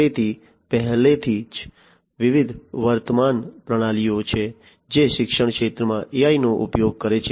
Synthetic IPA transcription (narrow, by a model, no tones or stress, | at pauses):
et̪ʰi | pɛɦlet̪ʰid͡ʒ | ʋɪʋid̪ʱʋəɾt̪əmanpɾəɽ̃alijot͡ʃʰe | d͡ʒeʃɪkʃəɳ̃kʃet̪ɾəmãʔiainoʔupjoɡ̚kəɾet͡ʃʰ